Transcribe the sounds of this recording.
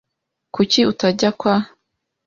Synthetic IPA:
kuciutaɟakwa

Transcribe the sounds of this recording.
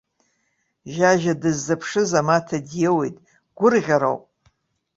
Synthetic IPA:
ʒaʒadɨzːapʰʂɨzamatʰadjewejtʼ | ɡ̥ʷʊrʁʲaɾo̰wpʼ

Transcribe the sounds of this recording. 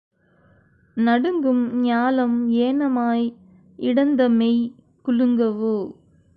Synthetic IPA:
nɐɽɯŋɡɯmɲaːlɐmeːnɐmaːj | ɪɽɐnd̪ɐmɛj | kʊɭɯŋɡɐʋɯ

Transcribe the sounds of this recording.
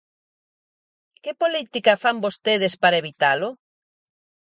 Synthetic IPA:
kepolit̪ikafambost̪eð̞espaɾaeβit̪alʊ

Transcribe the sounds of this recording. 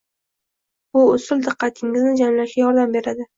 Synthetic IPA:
bʊʊsʊld̪ɨqʰːɑt̪ʰɪŋɪznɪd͡ʒamlaʃɡʲajɒɾd̪ambe̞ɾad̪ɪ

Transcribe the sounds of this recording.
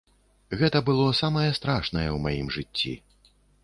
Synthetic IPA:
ɣɛt̪ɐbɨlˠɔsamɐjɐst̪ɾaʂnɐjɛwmajimʐɨt͡sʲːḭ

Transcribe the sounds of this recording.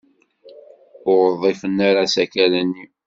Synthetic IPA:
ʊɾəðˤːifənːaɾasækælænːi

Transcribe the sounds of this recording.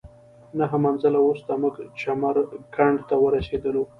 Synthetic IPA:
naɦamanzalawust̪amuɡt͡ʃamaɾkaɳɖt̪awəɾased̪əlu

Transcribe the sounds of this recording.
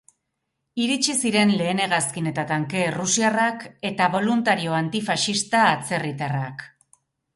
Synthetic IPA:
iɾit͡ʃisiɾe̞nle̞ːne̞ɣaskine̞t̪at̪aŋke̞rusiarake̞t̪aβo̞lunt̪aɾio̞ant̪ifaʃist̪aːt͡se̞rit̪arak

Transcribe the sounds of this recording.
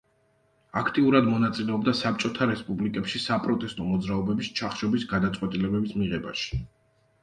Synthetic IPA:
akʰt̪ʼiuɾad̪mɔnat̪sʼilɛɔbd̪asap̚t͡ʃʼɔt̪ʰaɾɛspʼublikʼɛpʃisapʼɾɔt̪ʼɛst̪ʼɔmɔd̪zɾaɔbɛbist͡ʃʰaχʃɔbisɡad̪at̪sʼqʼwɛt̪ʼilɛbɛbismiʁɛbaʃi̥

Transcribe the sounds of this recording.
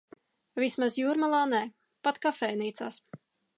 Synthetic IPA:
vismazjuːɾmalˠaːnɛː | pat̪kafɛːjniːt̪sa̰ːs

